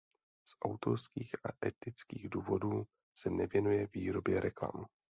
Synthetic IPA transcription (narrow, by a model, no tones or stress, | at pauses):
sʔawt̪o̞ɾskiːxʔaʔɛt̪ɪt͡skiːɣduːvo̞duː | sɛnɛvjɛnujɛviːɾo̞bjɛɾʔɛkla̰m